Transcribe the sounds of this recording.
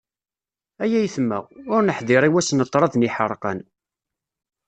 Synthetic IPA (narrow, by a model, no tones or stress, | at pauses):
æjæjθmːæ̰ʊɾnəħðɪɾˤiwæsnət̪ˤːɾˤɑðniħəɾˤqə̰n